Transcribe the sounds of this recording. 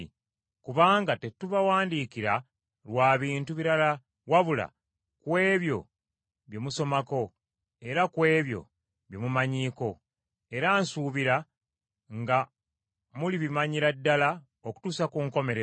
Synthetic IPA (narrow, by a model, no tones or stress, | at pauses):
kuβaːŋɡate̞tːuβawaːndiːkiɾa | lwaːβiːntuβiɾala | waβula̰ | kwe̞ːβjo̞̰ | βjo̞muso̞mako̞ | e̞ɾakwe̞ːβjo̞̰ | βjomumaɲiːko̞ | e̞ɾansuβiɾa | ŋɡa | muliβimaɲiɾadːala | oku̥tuːsakuŋko̞me̞ɾe